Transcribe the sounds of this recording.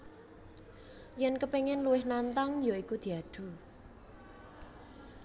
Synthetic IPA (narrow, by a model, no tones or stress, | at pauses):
jɛnkəpeŋɪnluwɪhnant̪aŋjoikud̪̥i̤ad̪̥ṳ